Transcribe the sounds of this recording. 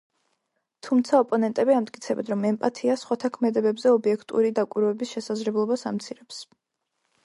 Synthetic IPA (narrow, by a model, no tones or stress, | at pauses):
t̪ʰumt̪sʰaɔpʼɔnɛnt̪ʼɛbiamd̪̚kʼit̪sʰɛbɛd̪ɾɔmɛmpʼat̪ʰiasχwat̪ʰakʰmɛd̪ɛbɛbzɛɔbiɛkʰt̪ʼṵɾid̪akʼwiɾɔɛbisʃɛsazlɛblˠɔbasamt̪sʰiɾɛps